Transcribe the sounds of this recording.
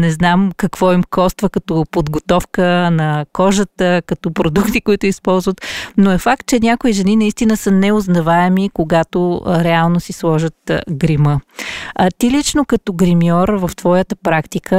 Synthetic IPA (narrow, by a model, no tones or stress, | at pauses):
nɛznamkɐkv̥ɔimkɔst̪vəkɐt̪opod̪ɡot̪ɔfkənɐkɔʒət̪əkɐt̪ɔpɾod̪ukt̪ikoit̪ʊispɔlˠzvət̪noɛfak̚t̪̚t͡ʃɛnʲakoiʒɛninɐist̪inəsənɛoznɐvaɛmikoɡat̪oɾɛalˠnosislˠɔʒət̪ɡɾimə | t̪ilit͡ʃnokɐt̪ɔɡɾimjɔɾvɐft̪v̥ɔjət̪əpɾakt̪ikʰə